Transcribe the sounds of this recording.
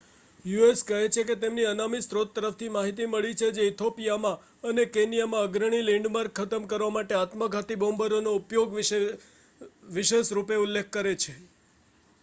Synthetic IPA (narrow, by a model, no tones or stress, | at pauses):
jueskəɦet͡ʃʰeket̪emniənamist̪ɾot̪ːəɾəft̪ʰimaɦit̪̬iməɭit͡ʃʰed͡ʒeit̪ʰopijamã | ənekenijamãəɡɾəɳ̃ilẽɳɖmaɾkʰət̪əmkəɾʋamaʈeat̪məɡʱat̪ibõmbəɾonoupjoɡʋe | ʋiʃeʃɾupeulːek̚ʰːəɾet͡ʃʰe